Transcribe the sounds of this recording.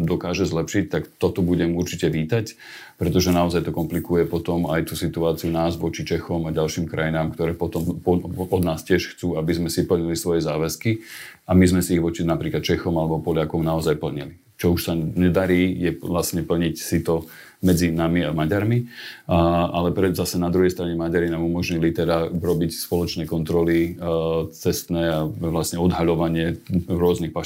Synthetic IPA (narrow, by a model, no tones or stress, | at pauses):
d̪ɔkaːʒɛzlɛpʃic̚t̪akt̪ɔt̪ɔbuɟɛmuɾt͡ʃicɛʋiːt̪ac | pɾɛt̪ɔʒɛnaɔzajt̪ɔkɔmplikujɛpɔt̪ɔmajt̪uːsit̪uaːt͡siunaːzʋɔt͡ʃit͡ʃɛxɔmaɟalʃiːmkɾʔa̰jinaːmkt̪ɔɾɛːpɔt̪ɔmpɔɔd̪naːscɪɛʃxt͡suːabizmɛsipl̩ɲilisʋɔjɛzaːʋɛski | amizmɛsiːɣʋɔt͡ʃinapɾiːklat̪̚t͡ʃɛxɔmalɛbɔpɔlɪakɔmnaɔzajpl̩ɲḭli | t͡ʃɔuʃsaɲɛd̪aɾiːjɛlasɲɛpl̩ɲicsit̪ɔ | mɛd͡zinamiamaɟaɾmi | alɛpɾɛzasɛnad̪ɾuɦɛjst̪ɾaɲɛmaɟaɾinaːmumɔʒɲilit̪ɛd̪aɾɔbicspɔlɔt͡ʃnɛːkɔnt̪ɾɔli | t͡sɛst̪nɛːaʋlasɲɛɔd̪ɦaʎɔʋaɲɪɛɾʊɔznixpa